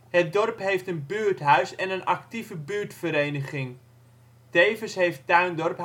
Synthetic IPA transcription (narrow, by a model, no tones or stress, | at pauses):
hət̚dɔrpɦejftənbyːɹtɦœɥsɛnənʔɑ̰ktivəbyːɹtfəɾejnəχɪŋ | d̥eːvəsɦejft̚tœɥndɔrp